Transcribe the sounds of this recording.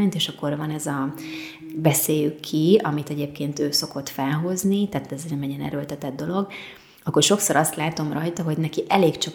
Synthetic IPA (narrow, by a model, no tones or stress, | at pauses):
ɲt̪eːʃɒkːo̞rvɒnɛzɒ | bɛseːjykʰːiɒmit̪ɛɟeːpkeːnt̪øːso̞ko̞t̪fɛlɦo̞znit̪ɛːt̪ɛznɛmɛɟɛnɛ̰ɾølt̪ɛt̪ɛd̪d̪ːo̞lo̞ɡ | ɒkːorʃo̞kso̞ɾɒst̪laːt̪o̞mrɒjt̪ɒɦo̞ɟnɛkiʔɛleːkt͡ʃɒ